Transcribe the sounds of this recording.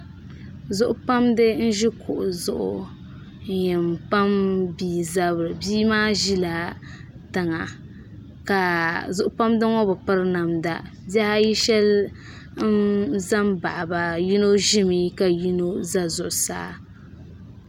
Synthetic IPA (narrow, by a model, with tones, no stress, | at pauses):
zʊ˦ʔʊ˦pa˦mdɨ˦n̩˦ʒi˦kʰʊ̰˨ʔʊ˨zʊ˨ʔʊ̰˨ | n̩˨jɛ˨mpa˦mbiː˨za˦bɾɨ˨biː˦maː˦ʒi˦la˨ | tɨ˨ŋa˨ | ka˨zʊ˨ʔʊ˦pa˦mdɨ˦ŋɔ˦bɨ˨pɨ˦ɾna˨mda̰˨ | ba˦ha˦ji˦ʃɛ˦l | n̩˦za˦mba̰˨ʔba˨ji˦no˦ʒɪ˦mi˦ka˨ji˦no˦za˦zʊ˨ʔʊ˨sa̰ː˦